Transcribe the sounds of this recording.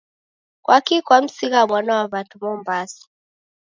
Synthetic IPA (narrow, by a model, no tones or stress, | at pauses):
kwʔakikwam̩siɣamwanawaβatumɔmbasḁ